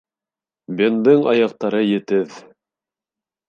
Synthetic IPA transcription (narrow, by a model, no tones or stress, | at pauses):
bʲend̪ɤɴɑjɑq̚t̪ɑɾɤjɘ̆t̪ɘð